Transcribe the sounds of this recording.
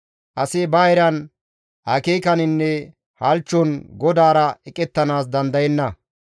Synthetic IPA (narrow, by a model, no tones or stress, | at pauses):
ʔɐsebaːjɾɐn | ʔɐkeːkɐnɪnːɛ | hɐlt͡ʃːɔnɡɔd̪aːɾɐɛkʼɛt̪ːɐnaːs̬d̪ɐnd̪ɐjɛnːɐ